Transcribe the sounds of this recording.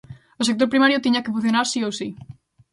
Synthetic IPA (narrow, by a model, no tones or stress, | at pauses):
osek̚t̪oɾpɾimaɾjʊt̪iɲakefũ̟θjonaɾsiowsi